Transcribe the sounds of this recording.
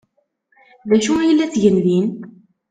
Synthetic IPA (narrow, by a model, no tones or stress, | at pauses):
ðæʃujəlːæt͡sʝənðin